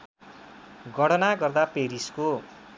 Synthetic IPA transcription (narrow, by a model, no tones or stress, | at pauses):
ɡʌɽʌnaɡʌrd̪apeɾisko